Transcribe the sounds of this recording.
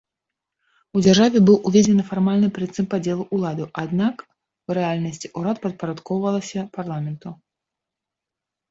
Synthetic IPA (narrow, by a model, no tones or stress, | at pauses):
ud͡zʲarʐavʲɛbɨwʔuvʲɛd͡zʲɛnɨfarmalʲnɨpɾɨt̪sɨmpad͡zʲɛlˠuʔulˠad̪ɨʔad̪nak | uɾɛalʲnɐsʲt͡sʲiʔuɾat̪pɐt̪̚pɐɾat̪kɔwvɐlˠɐsʲɐparlˠamʲɛnt̪u